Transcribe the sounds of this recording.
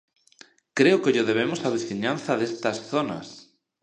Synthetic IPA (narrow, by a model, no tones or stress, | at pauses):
kɾeʊkeʎɪðeβ̞emʊsaβiθiɲãnθɐðest̪ɐsθonɐ̰s